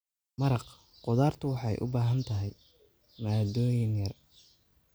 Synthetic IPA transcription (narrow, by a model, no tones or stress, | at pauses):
mɐɾɑq | qʊðaːrt̪ʰʊwɑħɑjʔʊ̰baːɦɐnt̪ʰɐɦɛj | maːd̪ɔːjɪnjɐr